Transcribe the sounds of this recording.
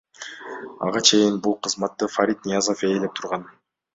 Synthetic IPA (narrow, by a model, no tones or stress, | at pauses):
ɑ̰ʁɑt͡ʃʰe̞jinbulˠqʰɯzmɑt̪ːɯfaɾʲit̪̚nʲijazofe̞ːlep̚t̪ʰuɾʁɑn